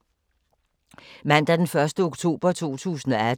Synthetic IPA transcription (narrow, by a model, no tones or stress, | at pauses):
mæn̰d̥æɐd̥enfɶɐsd̥əoɡ̥t͡sʰo̝̰ːb̥ɐt͡sʰo̝̰ːt͡sʰṵːsn̩ɒ̽æ